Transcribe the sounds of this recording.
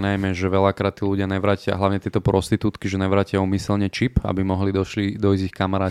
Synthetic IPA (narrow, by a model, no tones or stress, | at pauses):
najmɛʒɛʋɛlakɾaːt̪ːiːluɟɪaɲɛʋɾaːcɪa̰ɦlaʋɲɛt̪ɪɛt̪ɔpɾɔst̪it̪uːt̪kiʒɛnɛʋɾaːcɪauːmisɛlɲɛt͡ʃipa̰bimɔɦlid̪ɔʃlid̪ɔizixkamaɾaː